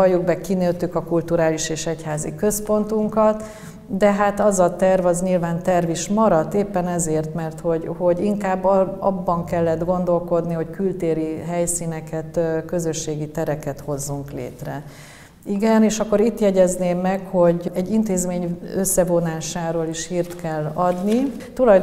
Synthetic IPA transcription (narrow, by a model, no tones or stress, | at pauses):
ɒjːuɡ̚bɛkineːt̪ykɒkult̪uɾaːliʃeːʃɛchaːzḭkø̞spo̞nt̪uŋkɒt̪ | d̪ɛɦat̪ɒzɒt̪ɛrvɒzɲilvaːnt̪ɛrviʃmɒɾɒt̪ːeːpːɛnɛzeːrt̪mɛrt̪ho̞ɟho̞ɟiŋkaːbːɒbːɒŋkɛlːɛd̪ɡo̞nd̪o̞lko̞d̪niho̞ckylt̪eːɾiɦɛjsiːnɛkɛt̪kø̞zøʃːeːɡit̪ɛɾɛkɛt̪ho̞zːuŋklḛːt̪rɛ | iɡɛneːʃɒkːo̞ɾit̪jɛɟɛzneːmːɛkho̞ɟɛɟːint̪eːzmeːɲøsːɛvonaːʃaːɾoːliʃhiːrt̪kɛlːɒd̪ni | t̪ulɒjd̪